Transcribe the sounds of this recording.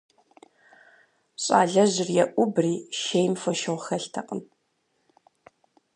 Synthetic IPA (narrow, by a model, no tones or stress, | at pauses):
ɕʼa̰ːɮɐʑɪrjɛʔʷʊbriːʃejmfɐʃɐʁʷxɐɬtʰɐqʼə̰m